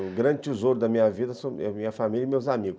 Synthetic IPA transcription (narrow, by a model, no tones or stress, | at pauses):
ɡɾɐ̃d͡ʒɪt͡ʃizoɾʊd̪ɐmĩɲɐvid̪ɐsõɛmĩɲɐfamilʲɐimewzamiɡʊ